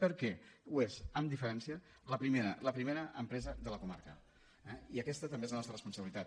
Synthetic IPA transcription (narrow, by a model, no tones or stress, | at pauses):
pəɾkɛuezəmd̪ifəɾɛnsiə | ləpɾimeɾələpɾimeɾəʔəmpɾɛzəðələkuma̰ɾkə | ɛiəkɛst̪ət̪əmbezlənɔst̪ɾrəspunsəβilit̪at̪